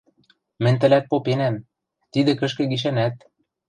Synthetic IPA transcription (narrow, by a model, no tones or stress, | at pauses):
mɘ̆nʲt̪ɘ̆læt̪̚popenæm | t̪id̪ɘ̆kɘ̆ʃkɘ̆ɡiʃ̬ænæt̪